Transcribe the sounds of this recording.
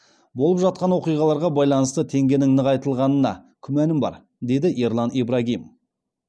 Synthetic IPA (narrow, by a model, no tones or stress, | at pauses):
bo̞lˠəpʒɑt̪̚qɑnwo̞qijʁɑlˠɑɾʁɑbɑjlˠɑnəst̪ət̪ʰe̞ŋɡʲe̞nɪŋnəqɑjt̪əlˠʁɑnənɑ̰kʲʰʏmænɪmbɑ̰ɾ | d̪e̞d̪ɪʔeɾlˠɑnibɾaɡʲijm